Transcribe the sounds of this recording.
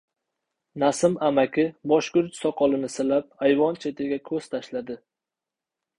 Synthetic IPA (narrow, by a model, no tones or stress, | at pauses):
nasɪmamakʲɪbɒʃkʲʊɾt͡ʃsɒqʰɒlˠɪnɪsɪlap̚ajvɒnt͡ʃʰe̞t̪ʰɪɡʲakʲʰɵz̥t̪ʰaʃlad̪ɪ